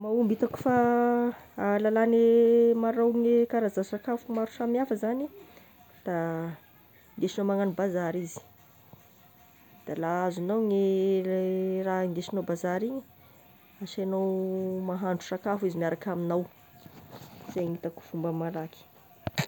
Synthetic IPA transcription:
maumbit̪aku̥fa | lalanemaɾawŋekaɾazasakafumaɾusamiafəzani | d̪̥a | ineʃinowmaŋanubazaɾizi̥ | d̪̥alaazinawŋe | raiŋɡ̪eʃinobazaɾiɲi | aʃanowmaɦaɳɖ͡ʐu̥sakafizimaɾakaminaw | z̥eŋit̪aku̥fumbəmalaki̥

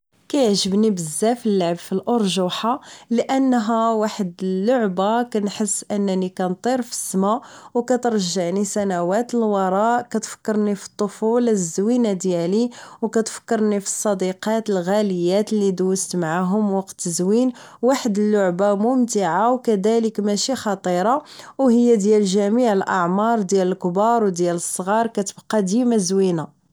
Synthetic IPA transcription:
kæjʕʒəbnibəzːæfəlːaʕəbfilʔoɾˤʒuħaləʔənːɦæwaħəd̪əlːʊʕbakænħəsːʔənːnikænt̪ˤiɾˤfə̥sːmawkæt̪əɾˤʒaʕnisænæwæt̪əlwɑɾˤɑʔkæt̪fə̥kːɑɾˤnifi̥t̪ˤːofulzːwinad̪jæliwkæt̪fə̥kːɑɾˤnifi̥sˤːɑd̪iqɑt̪əlɣæləjːæt̪lːid̪ust̪maʕaɦʊmwɑqt̪əzwin | waħəd̪əlːʊʕbamʊmt̪iʕawkæd̪æləkmæʃixɑt̪ˤiɾˤɑwhəjːæd̪jælʒæmiʕəlʔɑ̰ʕmɑɾˤd̪jæləlkbɑɾˤwd̪jæləsˤːɣɑɾˤkæt̪əbqɑd̪imæzwina

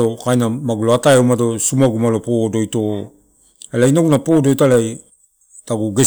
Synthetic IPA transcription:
okajnamaɡuloataeumado̞sumaɡumalopodo̞jto̞ | elainoɡunapodojtalaj | taɡuɡe̞

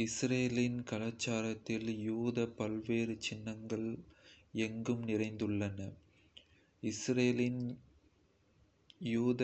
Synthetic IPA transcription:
ɪsɾeːlɪnkɐlɐt͡ʃːaːɾɐt̪ːɪljuːðɐpːɐlʋeːɾɯt͡ʃɪnːɐŋɡɐɭ | ɛŋɡɯmnɪrɐɪnd̪ɯɭːɐnɐ | ɪsɾeːlɪn | juːð

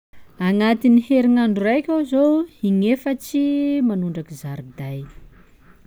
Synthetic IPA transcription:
aŋat̪iniheɾiŋaɳɖ͡ʐurajkʲawzowiŋefət͡ʃimanuɳɖ͡ʐakizaɾid̪aj

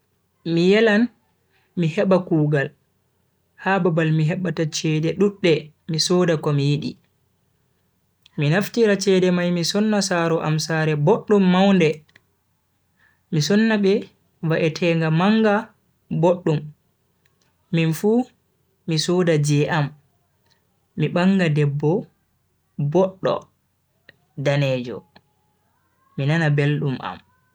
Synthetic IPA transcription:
mijɛlan | mihɛɓakuːɡal | hababalmiɦɛɓːatat͡ʃɛdɛɗuɗːɛ | misɔːdakɔmijiɗi | minaftiɾat͡ʃɛːdɛmajmisɔnːasaɾɔʔa̰msaːɾɛboɗːumːawndɛ | misɔnːaɓɛ | vaʔɛtʰɛːŋɡamaŋɡa | boɗːum | infuː | misɔdad͡ʒɛʔam | iɓaŋɡadɛbːɔ | bɔɗːɔ̰ | danɛːd͡ʒɔ̰ | inanabelɗumʔa̰m

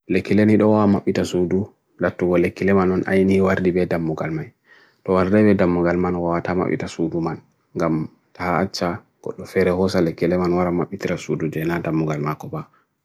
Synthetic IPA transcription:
lekːileniɗɔwawamaɓːitasudu | latːuɡɔlekːilɛmanɔnʔa̰jniwaɾdibɛdamːuɡalmaj | tɔwaɾdabɛdamːuɡalmanwawatama̰ɓːḭtasuduman | ŋɡam | tahaːt͡ʃːaɡ̥ɔ̰ɗːɔfɛɾɛhɔsalekːilɛmanwaɾamaɓːitiɾasudud͡ʒɛnadamːuɡalmakɔba

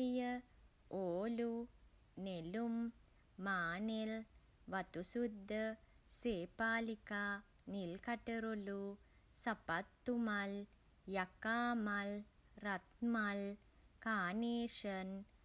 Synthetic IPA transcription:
ijɐ | oːlu | nelumː | aːnel | ʋɐt̪usud̪ʱːɐseːpaːlika | nilkɐʈɐɾolu | sɐpɐt̪ːumɐl | jɐkaːmɐl | rɐt̪̚mɐl | kaːneːʂɐn

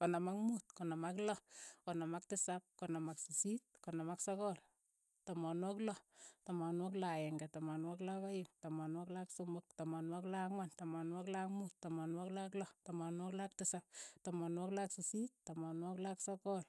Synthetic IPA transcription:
konamakmuːt̚kɔnamaklɔkɔnamak̚tɪsap̚konamaksisit̚kɔnamaksɔkɔl | tomɔnwɔklɔtɔmɔnwɔklajɛŋɡɛtomɔnwɔklaβajɪmtomɔnwɔklaksomʊk̚tomɔnwɔklakŋwantomɔnwɔklakmuttɔmɔnwɔklaklɔtomɔnwɔklak̚tɪsap̚tomɔnwɔklaksisittomɔnwɔklaksɔkɔl

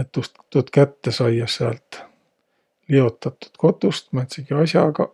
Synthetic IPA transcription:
et̪ːust̪ːut̪kæt̪ːesɑjːɑseæ̰lt̪ | lio̞t̪ːˑɑt̪ːˑu̥t̪ko̞t̪ˑust̪mænt̪siɡ̥iɑsʲjɑɡɑ

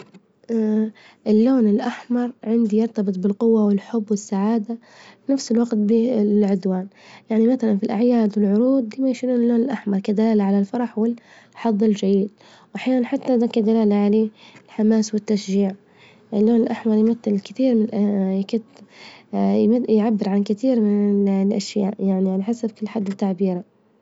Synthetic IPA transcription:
ʔɪlːoːnɪlʔaħmɑɾˤʕɪnd̪ijɑɾˤt̪ɑbɨt̪ˤbɪlqʊwːawɪlħʊbːwɪsːaʕaːd̪a | finafsɪlwaqt̪̚bilʕʊd̪waːnjaʕnimaθalanfilʔaʕjaːd̪wɪlʕʊɾuːd̪̚ˤd̪iːmajʃiluːnɪlːoːnɪlʔaħmɑɾˤkad̪alaːlaʕalalfɑɾˤɑħwɪl | ħɑd̪ˤːɪld͡ʒajiːd̪̚ | wʔaħjaːnanħat̪ːad̪akad̪alaːlaʕaleːɪlħamaːswɪt̪ːaʃʒiːʕ | ʔɪlːoːnɪlʔaħmɑɾˤjmat̪ːɪlkɪt̪iːɾmɪnʔjkɪt̪ | jjʕabːɪɾʕankɪt̪iːɾmɪnlʔaʃja̰ːʔjaʕniʕalaħasabkʊlːħad̪ːɪt̪ːaʕbiːɾa

